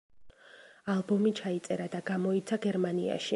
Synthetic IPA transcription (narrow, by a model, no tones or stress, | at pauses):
alˠbɔmit͡ʃʰait̪sʼɛɾad̪aɡamɔit̪sʰaɡɛɾmanḭa̰ʃi